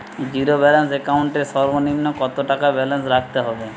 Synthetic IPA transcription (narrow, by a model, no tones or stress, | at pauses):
d͡ʑiɾobɛlensekawɳʈeɾʃɔɾbonimnokɔt̪oʈakabɛlensɾak̚ʰt̪eɦɔbe